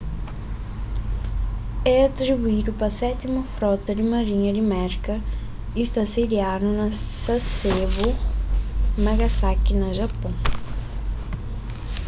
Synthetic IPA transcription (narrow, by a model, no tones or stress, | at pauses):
ɛɐt̪ɾibuid̪ʊpɐsɛt̪imɐfɾɔt̪ɐd̪ɪmɐɾĩɲɐd̪ɪmɛɾkɐ | ist̪ased̪ianʊnɐsɐsevʊ | maɡasakɪnɐʒɐpõ